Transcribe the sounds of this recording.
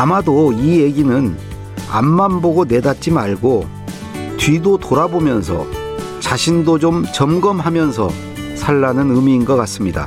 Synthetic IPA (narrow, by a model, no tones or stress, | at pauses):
amadoijeɡinɯn | a̰mːanboɡonedat̚t͡ɕ͈imaɭɡo | tɥidotoɾabomjʌnsʰʌ̰ | t͡ɕaɕʰindod͡ʑomt͡ɕʌmɡʌmɦamjʌns̬ʰʌ̰ | sʰaɭːanɯnɯmiːnɡʌk͈as͈ɯmɲida̰